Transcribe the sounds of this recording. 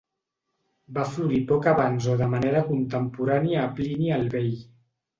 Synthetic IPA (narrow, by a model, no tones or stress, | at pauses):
bafluɾipɔkaβanzoðəmaneɾəkunt̪əmpuɾaniaːpliniəlβej